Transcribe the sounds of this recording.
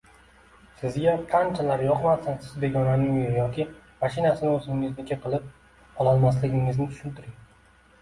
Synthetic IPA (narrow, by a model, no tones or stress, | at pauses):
sɪzɡʲaqʰɑnt͡ʃʰalaɾjɒqmasansɪzbeɡʲɒnanɪŋjejɒkʲʰɪ | maʃɪnasɪnɪɵzɪnɪŋɪznɪkʲaqʰɨlˠɪp̚ | ɒlˠɒlˠmaslɪɡʲɪŋɪznɪʊ̥ʃʊnt̪ʰɪɾɪŋ